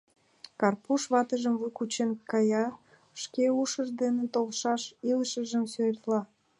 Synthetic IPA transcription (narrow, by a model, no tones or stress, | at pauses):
kɑrpuʃβɑt̪əʒəmvujkut͡ɕenkɑjɑ | ʃkeuʃəʒd̪enet̪olʃɑʃiləʃəʒəmsøert̪lɑ